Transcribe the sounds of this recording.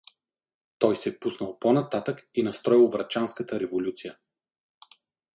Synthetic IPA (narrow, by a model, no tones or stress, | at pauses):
t̪ɔjsɛpusnəlˠponɐt̪at̪əkinɐst̪ɾɔilˠvɾɐt͡ʃanskət̪əɾɛvolʲut̪sijə